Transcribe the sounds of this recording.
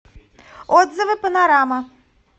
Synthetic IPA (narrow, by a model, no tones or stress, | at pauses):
ɔd̪zɨvɨpənaɾamɐ